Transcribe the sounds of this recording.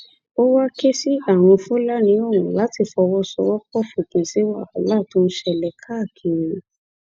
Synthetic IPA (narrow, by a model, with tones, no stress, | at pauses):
o˦wa˦ke˦si˦a˦˨w̃ɔ̃˧fũ˦la˦nĩ˨˦o˦˨wũ˨la˨˦ti˧˨fɔ˧wɔ˦sɔ˧ɾɔ˦kɔ˦˨fu˨kĩ˨si˨˦wa˦˨a˨la˦˨tũ˦n̩˦ʃɛ˧˨lɛ˧˦kʰa˦˨kʰi˨ɾĩ˨˧